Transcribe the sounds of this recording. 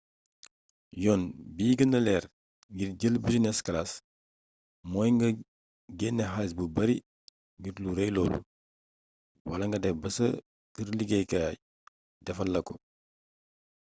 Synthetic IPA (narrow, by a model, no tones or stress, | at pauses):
jɔːnbiːɡɐnɐlɛːɾ | ŋɡirɟəlbusinɛskɐlas | mɔːjŋɡɐ | ɡɛːnːɛɦasbubɐɾi | ŋɡiɾluɾɛjlɔːlṵ | wɐlɐŋɡɐdɛfbɐsə | kəɾliɡejkɐ | dɛfɐlːɐkɔ